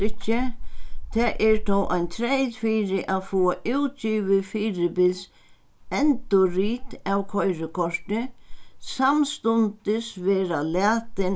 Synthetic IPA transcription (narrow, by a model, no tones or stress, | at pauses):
ɪt͡ʃːɪt̪ʰaːʔɛɹt̪ʰɔwʔajnt̪ʰɾɛjðfiːɾɪʔaðfɔːaʔuwt̪̚t͡ʃiːʋɪfiːɾɪbɪls | ɛnt̪ʊɾiːt̪awkʰɔjɾɪkʰɔɹ̥t̪ɪsamst̪ʊnt̪ɪsʋɛːɾalæːt̪ɪn